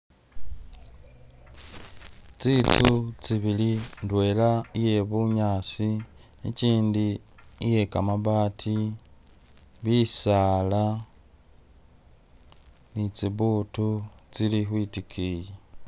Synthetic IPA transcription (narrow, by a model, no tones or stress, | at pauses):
t͡sit͡sut͡siβilindwe̞ːlaije̞βuɲaːsi | ḭciːndiije̞kamaβaːtʰi | βisaːla | nit͡siβuːtut͡silixwiːtikʰiːje